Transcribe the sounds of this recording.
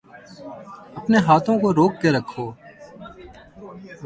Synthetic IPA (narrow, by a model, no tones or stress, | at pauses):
əpneːɦaːt̪ʰõːkoɾoːkːeɾəkʰːoː